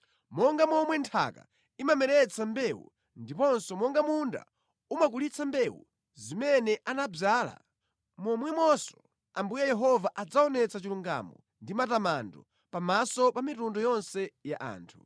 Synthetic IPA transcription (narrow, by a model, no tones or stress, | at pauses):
mɔŋɡamɔmwɛntʰa̰ka̰ | imamɛɾɛt͡sʰambɛwṵ | ndipɔnsɔmɔŋɡamunda̰ | umak̬ulit͡sʰambɛwṵ | zimɛnɛʔanab͡ʐaːla̰ | mɔmwɛmɔsɔ̥ | ambujɛjɛɦɔvaʔad͡zaɔnɛt͡sat͡ʃiluŋɡa̰mɔ̰ | ndimatamandɔ | pamasɔpamitundɔjɔnsɛjaʔa̰ːntʰu̥